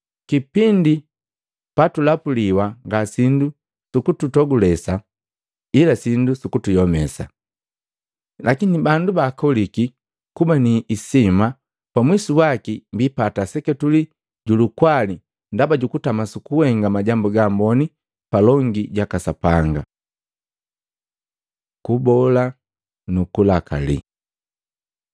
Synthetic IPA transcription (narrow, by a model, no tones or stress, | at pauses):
kipindi | patulapuliwaŋɡasindu | sukututɔɡulɛsa | ilasindusukutujɔmɛsa | lʔakinibandubaːkɔliki | kubaniːsima | pamwisuwakimbipatasɛkɛtuli | ɟulukwali | ndabaɟukutamasukuwɛŋɡamaɟambuɡambɔni | palɔŋɡiɟakasapaŋɡa | kubɔla | nukulakʰa̰lḭ